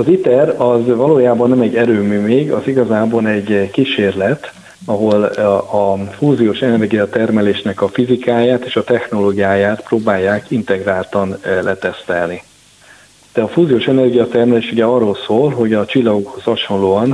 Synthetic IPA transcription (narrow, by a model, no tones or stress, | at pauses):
ɒzit̪ɛɾɒzvɒloːjaːbɒnːɛmɛɟːɛɾøːmyːmeːɡɒziɡɒzaːbɒnɛɟkiʃeːrlɛt̪ | ɒɦo̞lɒfuːzioːʃɛnɛrɡijɒt̪ɛrmɛleːʃnɛkɒfizikaːjaːt̪eːʃɒt̪ɛxno̞loːɡijaːjaːt̪proːbaːjːaːkint̪ɛɡraːlt̪ɒnlʔɛt̪ɛst̪ɛlni | d̪̥ɛɒfuːzioːʃɛnɛrɡijɒt̪ɛrmɛleːʃuɟɛɒrːolsoːlɦo̞ɟɒt͡ʃilːɒɡokho̞shɒʃo̞nloːɒn